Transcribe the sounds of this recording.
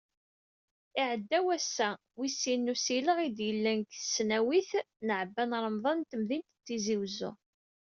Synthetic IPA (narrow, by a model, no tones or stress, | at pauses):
iʕəd̪ːæwæsːæ | wisːinːusiləʁid̪jəlːænkθə̥snæwiθ | nəʕəbːænɾˤəmðˤɑnt̪əmðint̪t͡sːiziwzʊ̰